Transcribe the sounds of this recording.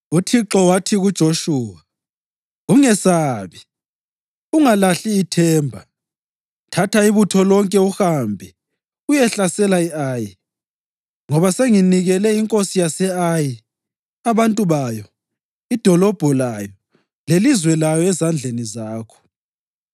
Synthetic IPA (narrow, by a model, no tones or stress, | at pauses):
utʰiǁɔwatʰiɣud̥ʒ̥ʱoʃuːwa | uŋɛsaβi | uŋalaɬiːtʰɛːmbʱa | tʰatʰaiβutʰɔlɔŋkʼɛuxambʱɛ | ujɛɬasɛlaiaːji | ŋɔβaseŋiniɣɛlɛiŋkʼosijasɛaji | aβantʼuβajɔ | id̥ʱɔlɔb̥ʱɔlajɔ | lelizwɛlajɔɛzand͡ɮʱenizaːkʰɔ̥